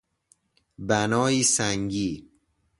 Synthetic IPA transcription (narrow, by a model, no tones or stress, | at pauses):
bænɒːiːsæŋɟiː